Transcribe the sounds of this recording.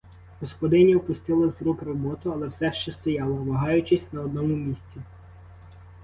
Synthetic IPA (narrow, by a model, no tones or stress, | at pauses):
ɦɔspɔd̪ɪnʲiɔpʊst̪ɪlˠɐzɾukɾɔbɔt̪ʊɐlˠɛwsɛʃt͡ʃɛst̪ɔjɑlˠɔʋɐɦɑjʊt͡ʃɪsʲnɐɔd̪nɔmʊmʲisʲt͡sʲi